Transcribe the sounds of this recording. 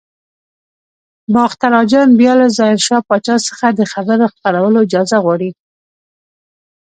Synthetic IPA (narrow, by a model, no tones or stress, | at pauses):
bɑxt̪aɾɑd͡ʒɑnbjɑlazɑɪɾʃɑpɑt͡ʃɑsə̥xad̪əxabəɾoxpaɾawəloɪd͡ʒɑzaɣwɑɽi